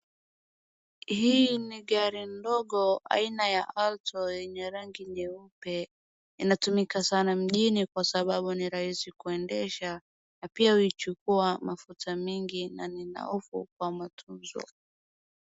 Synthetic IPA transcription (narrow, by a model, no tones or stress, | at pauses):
hiːniɠaɾindɔɠɔa̰inajaʔaltʰɔjɛɲɛɾaŋɡiɲʄɛupɛ | inatumikasanam̩ʄinikwasaɓaɓuniɾahisikuɛndɛʃa | napiauit͡ʃukuamafutʰamiŋɡinanina̰ufṵk̚wamatʰumzɔ̰